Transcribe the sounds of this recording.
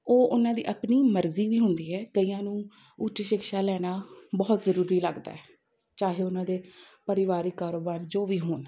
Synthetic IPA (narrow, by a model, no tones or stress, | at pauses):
oːʔʊnãːd̪ḭːʔəpniːməɾziːʋiːɦʊnd̪iːɛːkəiːjãːnũː | ʊʈʃɪkʃaːlɛːnaːbɔːt̪zəɾuːɾiːləɡd̪a̰ːɛː | t͡ʃaːɦeːʊnãːd̪eːpəɾɪʋaːɾiːkaːɾoːbaːnd͡ʒoːʋiːɦoːn